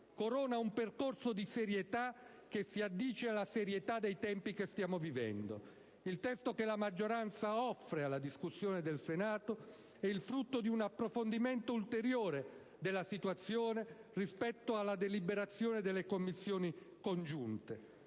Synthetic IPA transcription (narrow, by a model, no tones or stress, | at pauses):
koɾɔːnaumperkorsod̪iseɾjet̪a | k̟esːiad̪ːiːt͡ʃealaseɾjet̪ad̪ːejt̪ɛmpikest̪jaːmovivɛ̰nd̪o̰ | ilt̪ɛst̪okelamad͡ʒːoɾant̪saɔfːɾealːad̪iskusːjoːned̪elsenaːt̪o | ɛilfɾut̪ːod̪iunapːɾofond̪iment̪oult̪eɾjoːɾe | d̪elːasit̪wat̪sːjoːnerispɛt̪ːoalːad̪elibeɾat̪sːjoːned̪elːekomːisːjoːnikond͡ʒunt̪e